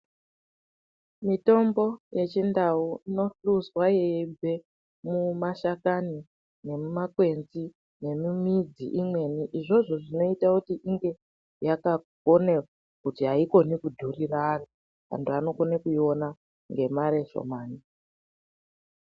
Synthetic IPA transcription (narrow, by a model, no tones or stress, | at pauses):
mito̞mbo̞je̞t͡ʃindauino̞ɬuswajeibʱe̞ | mumaʃakani | ne̞mumakwe̞nzi | ne̞mimid͡zḭʔimwe̞niʔiʐo̞ʐo̞ʐino̞itakutiʔiŋɡe̞ | jakakonea | kutiɦaiko̞nikudʱuriraːro | ʋa̰ntuano̞ko̞nekuio̞na | ŋɡe̞maɾe̞ʃo̰maːni